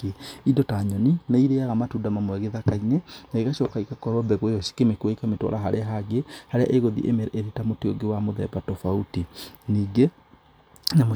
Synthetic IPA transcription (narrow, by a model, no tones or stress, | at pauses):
idɔtaɲɔninaiɾeaɣamatuːndamamwɛɣeðakainenaeɣaɕɔkaikakɔɾɔbɛɣwojɔʃi̥kemekɔikametwɔ̰ɾaɦaɾeaɦaɡehaɾea̰ʔeɣoðḭʔemɛɾɛʔeɾetamoteoɡewamoðɛ̰batɔfautiniːɡe | namo